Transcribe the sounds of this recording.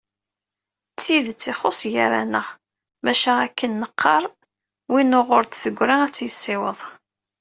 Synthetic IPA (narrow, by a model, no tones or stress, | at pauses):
t͡sːiðt͡sːɪχosˤja̰ɾæ̰nəʁ | mæʃæækːənːəqʰːɑɾˤ | winʊʁʊɾt̪θəɡʷːɾaæt͡sːjəsːɪwəðˤ